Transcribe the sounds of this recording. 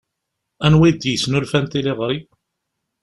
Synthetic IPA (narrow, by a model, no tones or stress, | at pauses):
ænwid̪jəsnulfænt̪iliʁɾi